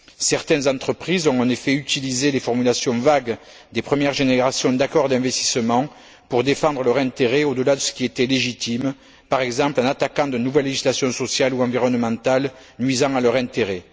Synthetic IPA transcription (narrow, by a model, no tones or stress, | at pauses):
sɛʁt̪ɛ̃nzɑ̃t̪χəpχizɔ̃ɑ̃nefɛyt̪ilizelefɔʁmylasjɔ̃vaɡ | d̪epχəmjɛʁʒeneʁasjɔ̃d̪akɔʁd̪ɛ̃vɛst̪i̥səmɑ̃ | puʁd̪efɑ̃d̪ʁəlœʁɛ̃nt̪eʁeod̪əlad̪əsə̥kʲiet̪ɛleʒit̪im | paʁɛɡzɑ̃plɑ̃nat̪akɑ̃d̪ənuvɛlːeʒislasjɔ̃sɔsjaluɑ̃viʁɔnəmɑ̃t̪al | nɥizɑ̃alœʁɛ̃nt̪eʁe